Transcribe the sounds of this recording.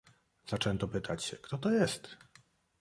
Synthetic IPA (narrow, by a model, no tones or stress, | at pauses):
z̥at͡ʂɛnt̪ɔpɘt̪ʰat͡ɕɕɛkt̪ɔt̪ɔjɛst̪